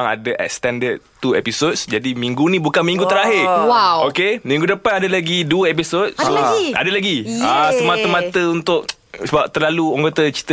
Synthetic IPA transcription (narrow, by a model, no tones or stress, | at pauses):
ŋa̰dəʔɛ̰k̚st̪ɛndəd̚t̪uḛpisodsd͡ʒadimiŋɡunĩbukanmĩŋɡut̪əɾaɦɪrwawokemĩŋɡudəpanadalaɡiduəep̬isod̚aia̰dalaɡiasəmat̪əmãt̪əunt̪ʊʔ | səbap̚t̪ərlaluəŋɡot̪ət͡ʃi̥t̪ə